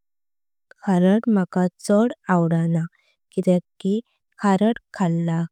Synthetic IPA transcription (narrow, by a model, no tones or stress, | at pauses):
kʰaɾəʈmakat͡sɔɽawɽana | kit̪ɛki | kʰaɾəʈkʰalːa